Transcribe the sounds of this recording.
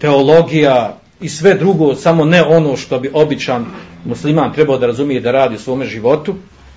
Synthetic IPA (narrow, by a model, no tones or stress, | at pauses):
t̪e̞o̞lˠo̞ɡija | isʋe̞d̪ɾuɡoːsamo̞neʔo̞no̞ːʃt̪o̞biʔo̞bit͡ʃaːnmuslimaːnt̪ɾe̞baod̪aɾazumije̞d̪aɾaːd̪iːusʋo̞ːmeʒiʋo̞t̪u